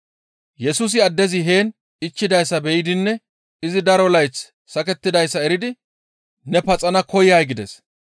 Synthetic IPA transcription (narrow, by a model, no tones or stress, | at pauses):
jɛsuːs̬ɪɐd̪ːɛzɪɦeːn | ɪt͡ʃːɪd̪ɐjsːɐbɛjɪd̪ɪnːɛ | ɪzɪd̪ɐɾɔlɐjt͡sː | ɐkɛt̪ːɪd̪ɐjsːɐɛɾɪd̪ɪ | nɛpɐt͡sʼɐnɐkʰɔjajɡɪd̪ɛs